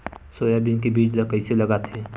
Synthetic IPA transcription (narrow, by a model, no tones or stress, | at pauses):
soːjabinkebiːd͡ʒləkəɪseləɡat̪ʰe